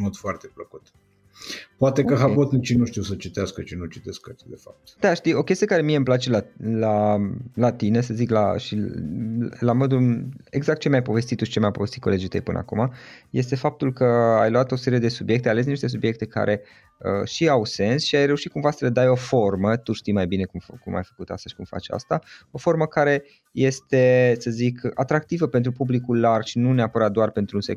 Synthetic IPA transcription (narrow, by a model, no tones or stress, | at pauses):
mod̪foart̪epləkut̪ | poat̪ekəɦapot̪nut͡ʃinuʃt̪iwsət͡ʃit̪easkət͡ʃinut͡ʃit̪eskkat̪id̪efap̚t̪d̪aʃt̪ijo̞kʲe̞st̪ijekaɾe̞mijeɨmplat͡ʃe̞lalalat̪ine̞səzikla̰ʃi | lamo̞d̪une̞̰ɡzak̚t̪̚t͡ʃemʲajpo̞ve̞st̪it̪ːuʃi̥t͡ʃemʲajpo̞vest̪it̪ko̞le̞d͡ʒit̪əjpɨnə̰a̰kumaje̞st̪e̞fap̚t̪ulkəajluat̪o̞se̞ɾije̞d̪e̞subje̞k̚t̪eale̞s̬niʃt̪esubje̞k̚t̪e̞ka̰ɾʔe̞ | ə̰ʃiawse̞nsʃiajre̞uʃit̪kumvasələd̪ajo̞fo̞rmət̪uʃt̪ijmajbine̞kumkuma̰jfə̥kut̪a̰st̪əʃi̥kumfa̰t͡ʃa̰st̪ao̞fo̞rməkaɾe̞ | je̞st̪e̞səzikat̪ɾak̚t̪ivəpe̞nt̪ɾupublikullarʃinune̞apəɾat̪̚d̪oarpe̞nt̪ɾunsḛk